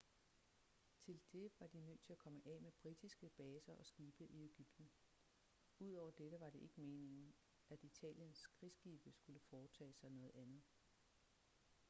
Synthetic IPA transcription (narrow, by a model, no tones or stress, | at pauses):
t͡sʰe̝ld̥e̝ʋɑ̈d̥inøð̰t͡sʰe̝lækʰɒ̽məʔɛːmeb̥ʁid̥isɡ̥əb̥ɛːsɐʔɒ̽sɡ̥iːb̥əʔie̝ɡ̥yb̥̚d̥n̩ | uð̞̰ˠɒʊ̰ɐd̥edəʋɑ̈ɾ̥e̝ʔe̝ɡ̥əme̝ːne̝ŋn̩ | æd̥it͡sʰɛ̰ːljənsɡ̥ʁisɡ̥iːb̥əsɡ̥uləfɒːt͡sʰɛ̰ːsɑ̈ɪnɔ̽ːð̞̩ˠænð̞̩ˠ